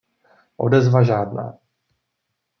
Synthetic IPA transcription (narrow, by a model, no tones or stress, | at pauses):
ʔo̞̰dɛzvaʒaːdna̰ː